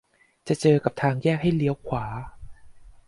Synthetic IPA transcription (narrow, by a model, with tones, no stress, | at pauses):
t͡ɕa˨˩ʔt͡ɕɤː˧ka˨˩p̚t̪ʰaː˧ŋjɛː˥˩k̚ha˥˩jli˦əwkʰwaː˩˦